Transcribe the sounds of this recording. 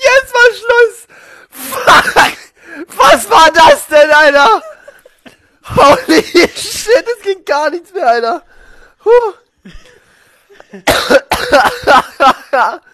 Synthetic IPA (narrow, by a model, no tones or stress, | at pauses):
jɛsvaʃlɔs | fak | vasvaːdasd̥ɛnaɪna | hoʊliʃɪt̚d̥asɡ̥eːnɡ̥aːɐnɪçtt͡smeːɐaɪnɐ | ho